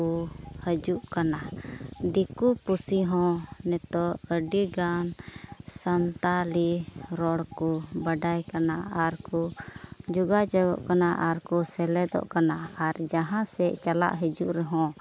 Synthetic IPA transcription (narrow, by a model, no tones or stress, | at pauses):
uhəd͡ʒuʔkanad̪ikupusiɦɔ̃nɛt̪ɔəɖiɡansant̪aliɾɔɽkubaɖajkanaaɾkud͡ʒuɡad͡ʒaɡɔ̰ʔkanaʔaɾkusɛlɛd̪ɔ̰ʔkanaaɾd͡ʒaɦãsɛʔt͡ʃala̰ʔɦəd͡ʒuʔɾɛɦɔ̃